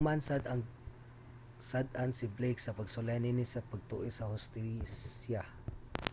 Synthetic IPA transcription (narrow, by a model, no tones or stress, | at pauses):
mansad̪ɐŋ | sad̪ansɪblejksɐpɐɡsʊlajninɪsɐpɐɡ̚t̪uʔɪsɐhʊst̪isja